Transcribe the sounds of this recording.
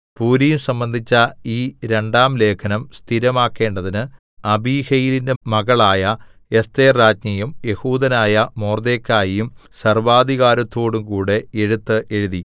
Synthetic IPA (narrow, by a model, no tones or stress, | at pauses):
puːɾɐjumsɐmbɐnd̪ʱit͡ɕːɐiːɾe̞ɳɖaːmle̞ːkʰɐnɐmst̪ʰiɾɐmaːkːe̞ːɳɖɐðinɨ | ɐbiːhɐjilinde̞mɐɣɐɭaːjɐ | e̞st̪eːraːd͡ʑɲɐjumje̞huːd̪ɐnaːjɐmo̞ːrd̪eːkːaːjijumsɐrʋaːd̪iɣaːɾɐt̪ːo̞ːɽumkuːɽe̞eɻut̪ːɨʔe̞ɻuði